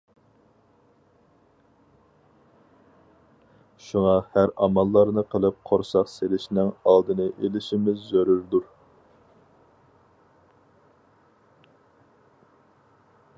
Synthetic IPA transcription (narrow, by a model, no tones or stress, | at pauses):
ʃuŋɑhæɾɑmɑlˠːɑɾnɨqʰəlˠɨp̚qʰoɾsɑqselɪʃnɪŋɑlˠd̪ɨnɨʔelɪʃimɪzːøɾyɾd̪uɾ